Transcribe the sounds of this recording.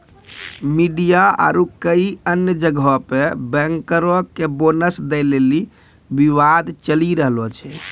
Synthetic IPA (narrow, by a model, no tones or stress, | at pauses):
miɖijaa̰ɾukəiənjəd͡ʒəɡʱɔpebɛ̃ŋkəɾəkːebonəsd̪ɛleli | biʋad̪t͡ʃəliɾəɦlɔt͡ʃʰɛ